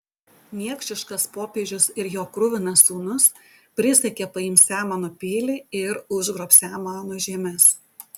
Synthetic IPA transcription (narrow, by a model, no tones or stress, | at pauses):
mʲiɛkʃʲt͡ʃʲɪʃkɐspoːpʲeːd͡ʒʲʊsɪɾjoːkɾʊʋʲɪnɐsuːnʊspʲɾʲɪsʲɛkʲepɐɪmʲsʲæːmɐnoːpʲiːlʲɪɪɾʊʒɡɾoːpsʲæːmɑːnoːʒʲiɛmʲɛs